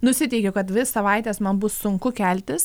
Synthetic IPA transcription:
nʊsʲɪt̪ʲɛɪkʲʊkɐt̪ʋʲɪssɐʋɐɪt̪ʲeːsmɐnbʊssʊŋkʊkʲælʲt̪ʲɪs

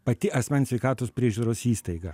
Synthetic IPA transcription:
pɐt̪ʲɪʔɐsʲmʲɛnsʲʋʲɛɪkɑːt̪oːspʲɾʲiɛʒʲuːɾoːsiːst̪ɐɪɡɐ

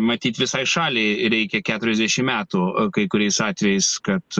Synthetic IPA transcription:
mɐt̪ʲiːt̪ʲʋʲɪsɐɪʃɑːlʲɛɪɾʲɛɪkʲɛkʲæːt̪ʊɾʲɛzd̪ʲɛʃʲɪmmʲæːt̪ukɐɪkʊɾʲɛɪsɑːt̪ʲʋʲɛjɛɪskɐt̪

